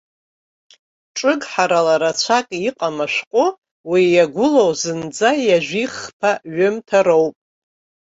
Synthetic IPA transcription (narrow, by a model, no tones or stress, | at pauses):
ʈ͡ʂʼɨɡħaɾalaɾat͡ɕʷʰakʼiqʼamaʃʷᶣqʷʼʊ | wijaɡʷʊlowzɨnd͡zajaʒᶣʷiχpʰaɥɨmtʰaɾowpʼ